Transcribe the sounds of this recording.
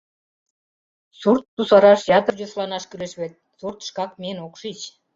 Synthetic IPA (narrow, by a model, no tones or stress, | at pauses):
surt̪ːusɑɾɑʃjɑt̪ərʑoslɑnɑʃkyɾeʃβet̪̚surt̪ə̥ʃkɑk̚menokʃit͡ɕ